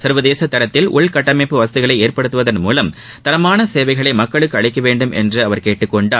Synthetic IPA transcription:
sɐɾʋɐðeːsɐt̪ːɐɾɐt̪ːɪlʔʊɭkɐʈːɐmɐɪpːɯʋɐsɐðɪɣɐɭɐɪeːrpɐɽɯt̪ːɯʋɐðɐnmuːlɐm | t̪ɐɾɐmaːnɐseːʋɐɪɣɐɭɐɪmɐkːɐɭɯkːɯɐɭɪkːɐʋeːɳɖɯmʔɛ̰ndrɯɐʋɐɾkeːʈːɯkːɔɳɖaː

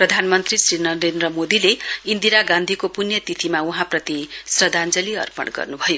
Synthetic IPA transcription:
prʌd̪ʱanmʌnt̪risrinʌɾend̪rʌmod̪ileind̪iɾaɡãnd̪ʱikopunjʌt̪it̪ʰimauɦãprʌt̪isrʌd̪and͡zʌliʌ̰rpʌ̰ɳɡʌ̰rnubʱʌjo

